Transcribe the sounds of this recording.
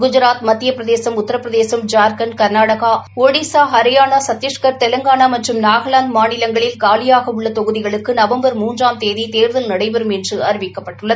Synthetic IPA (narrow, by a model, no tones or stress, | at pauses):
ɡʊd͡ʒɪɾaːt̪mɐt̪ːɪjɐpːɾɐðeːsɐmʊt̪ːɐɾɐpːɾɐðeːsɐmd͡ʒaːɾkɐnkɐɾnaːɽɐɣaːoːɽisaːɦɐɾɪjaːnasɐt̪ːɪʂkɐɾt̪ɛlɐŋɡaːnaːmɐʈrɯmnaːɣɐɭaːnd̪maːnɪlɐŋɡɐɭɪlkaːlɪjaːɣɐʊɭːɐt̪ɔɣɯðɪɣɐɭɯkːɯnɐʋɐmbɐɾmuːndraːmt̪eːðit̪eːɾðɐlnɐɽɐɪʋɛɾɯmɛndrɯɐɾɪʋɪkːɐpːɐʈːɯɭːɐð